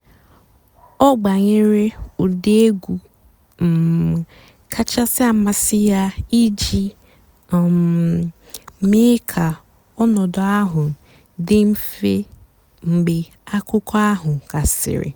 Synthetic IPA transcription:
ɔ˦ɡ͡ba˨ɲe˦ɾe˦o˨de˦e˦ɡʷu˨ | m̩˨ | kʰa˦t͡ʃa˦sɪ˦a˨ma˨sɪ˦ja˦i˦d͡ʒi˦˨ | me˦kʰa˨ | ɔ˦nɔ˨dɔ˨a˦ɦʊ˨ | dɪ˦m̩˦fe˦ | ŋ͡m̩˨ɡ͡bɪ˨ | a˦kʊ˦kɔ˦a˦ɦʊ˨ka˨sɪ̰˨ɾɪ̰˨

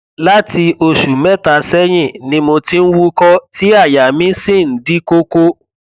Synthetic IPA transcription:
la˦tʰi˧ʔo˧ʃu˨mɛ˦ta˧sɛ˦j̃ĩ˦˨nĩ˧mo˧tĩ˦n̩˦wu˦kɔ˧ti˦a˦˨ja˨mĩ˨˦si˦˨n̩˨˦di˨˦ko˦ko˦

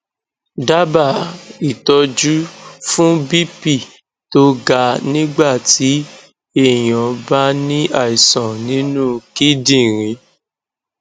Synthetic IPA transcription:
da˦ba˦˨i˨tɔ˧d͡ʒu˦fũ˦bi˦pi˦˨ | to˦ɡa˧˨nĩ˦ɡ͡ba˦˨ti˨˦ | e˦˨j̃ɔ̃˨ba˦nĩ˦a˦˨i˨sɔ̃˨nĩ˨˦nũ˦ki˦dĩ˦˨ɾĩ˨˦

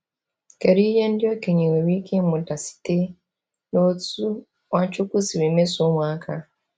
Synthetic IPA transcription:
ke˨ɾi˦je˦n˦di˦o˦ke˨ɲi˨we˨wi˦ke˦mu˨da˨si̥˨te˦ | no˦tu˦ | wa˦t͡ʃu˦ku˦si˨we˨me˦so˦mwaː˦kʰa˦

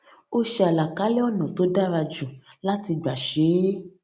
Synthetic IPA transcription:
o˦ʃi˦a˨la˨ka˦le˦ɔ˦nɔ̃˨t̪o˦ɖa˦va˧d͡ʒu˨la˦ti˧ɡ͡ba˨ʃe˨˦le˦

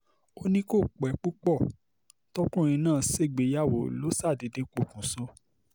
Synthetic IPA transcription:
o˦nĩ˦ko˦˨k͡pɛ˨˦k͡pu˦k͡pɔ˦˨ | tɔ˦kũ˦˨ɾ̃ĩ˧nãː˦˨se˦˨ɡ͡be˨˦ja˦˨wo˨lo˨˦sa˦˨di˨˦de˨˧k͡po˨kũ˨sɔ˧˦

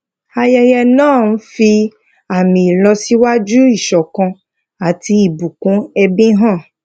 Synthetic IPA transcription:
a˧jɛ˧jɛ˧nãː˦˨nũ˨˦fi˧ | a˨mĩ˨lɔ˧si˦wa˦d͡ʒu˦i˦˨ʃɔ˨kã˧ | a˨ti˧i˨bu˨kũ˨˦ɛ˧bĩ˦ɦã˦˨

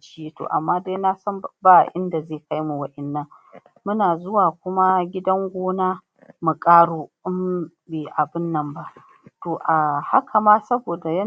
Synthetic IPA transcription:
t͡ʃɪ˦je˦to̰˨ʔa̰˨mːaː˦da˦jna˦sɐ˦mbaː˦˨ʔɪ˦nda˨zeː˦˨ka˦jmu˨wɐ˦ʔɛ˨nːɐ˦ŋ | mʊ˦naː˨zʊ˦waː˨kʷʊ˦ma˦ɡʲɪ˦dɐ˦ŋɡʷoː˦naː˦ | mu˨kʼaː˦ɽoː˦ʔɪ˦m | beː˨ʔa˨bɪ˦nːɐ˦mba˦ʔ | toː˨ʔa˨ha˦kʰa˨maː˦sɐ˦boː˨da˨jɐ˦

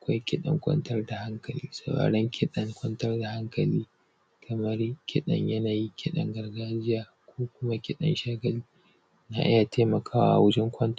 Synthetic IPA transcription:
ʔa˨kʷa˦jkʲɪ˦ɗɐ̰˨ŋkʷʼɐ̰˦ntɐ˦rda˨ha˦ŋkɐ˨lḭː˦sɐ˨ɽa̰ː˨ɽɐ˦ŋkʲʰɪ˦ɗɐ˦ŋkʷʼɐ˦ntɐ˦rda˨ha˦ŋkɐ˨liː˦ | kʰɐ˨mɐ˦rkʲɪ˦ɗɐ̰˨ɲjɐ˦naː˨ji˦kʲʰɪ˦ɗɐ̰˨ŋɡɐ˨rɡaː˦d͡ʒɪ˦jaː˨ | kʷʰoː˦kʷʊ˦ma˦kʲɪ˦ɗɐ̰˨nʃaː˦ɡɐ˨liː˦ | na̰ː˨ʔɪ˦ja˨tʰeː˦mɐ˨kʰaː˦wa̰ː˨a̰˨wʊ˦d͡ʒɛ˦ŋkʷɐ˦nt

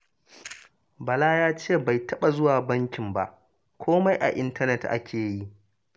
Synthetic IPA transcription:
bɐ˨laː˦jaː˦t͡ʃeː˦˨ba˨jtʰɐ˦ɓa˨zʊ˦waː˨bɐ˦ŋkʲɪ˨mba̰˨ʔ | kʷoː˦ma˦jʔa̰˨ʔɪ˦ntɐ˦nɛ˦tʔa̰˦kʲʰeː˨ji˦ʔ

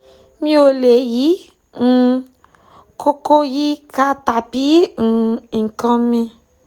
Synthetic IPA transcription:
mĩ˦o˧le˨ji˨˦ | ŋ̩˦ | ko˦ko˦ji˦ka˦t̪a˨pi˦ŋ̩̃˨kɔ̃˦mĩ˧

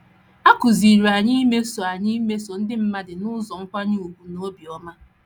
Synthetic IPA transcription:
a˦kʊ˨zi˨ɾu˨a˨ɲi˦me˦so˨a˨ɲi˦me˦so˨n̩˦dɪ˦m̩˦ma˦dɪ˨nʊ˦zɔ˨ŋ̩˦kʷa˦ɲɪ˦o˨ɡu˨no˦bi˨ɔ˦ma˦

